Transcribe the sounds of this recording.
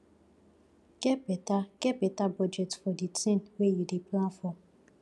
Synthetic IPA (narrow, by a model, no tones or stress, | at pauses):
kepetakepetabɔd͡ʒetfɔditʰinwejideplatfɔm